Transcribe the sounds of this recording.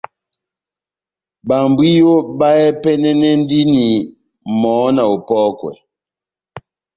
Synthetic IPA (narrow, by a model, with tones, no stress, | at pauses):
ba˨mbwi˦jo˦ba˦ɛ˦pɛ˦nɛ˦nɛ˦n˦di˦ni˨ | mɔ˨˦na˨o˨pɔː˦kwɛ̰˨